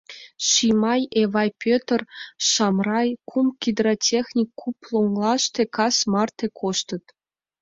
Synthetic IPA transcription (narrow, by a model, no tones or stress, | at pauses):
ʃimɑjeβɑjpʲʰøt̪ərʃɑmrɑjkʰumkʲid̪rotʲexnʲikːuplˠoŋlˠɑʃt̪ekɑsmɑrt̪ekʰoʃt̪ɤ̆t̪